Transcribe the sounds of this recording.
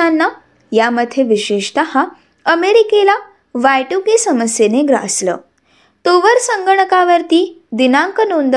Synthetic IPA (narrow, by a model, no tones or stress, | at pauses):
anːa | jaməd̪ʱjeʋiɕeʂt̪əha | əmeɾikela | ʋajʈukesəməsjeneɡɾə̰ʔəsləː | t̪oʋəɾsəŋɡəɳ̃əkaʋəɾt̪iːd̪inãŋkənond̪